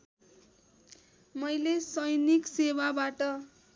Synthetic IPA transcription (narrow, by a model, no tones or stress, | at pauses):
mʌjlesʌjniksewabaʈʌ